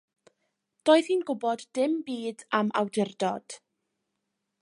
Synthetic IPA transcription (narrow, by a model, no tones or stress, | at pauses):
d̥oːɨð̥hiːnɡʊbɔdːɪmbiːdamʔa̰wdɪrdɔd̥